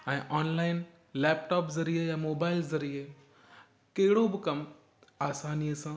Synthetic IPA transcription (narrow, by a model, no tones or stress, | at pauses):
ɛ̃ːʔɔːnlaːɪn | lɛːpʈɔːpzɐɾiejamoːbaːɪlzɐɾie | kɐɦɪɽobɪkɐm | aːsaːnijəsãː